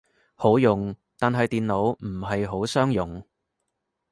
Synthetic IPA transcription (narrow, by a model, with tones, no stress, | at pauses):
ho˨˥wjʊ˨ŋt̪aː˨nɦɐ˨jt̪iː˨nlo˨˥wm̩˨˩ɦɐ˨jɦo˨˥wsœː˥ŋjʊ˨˩ŋ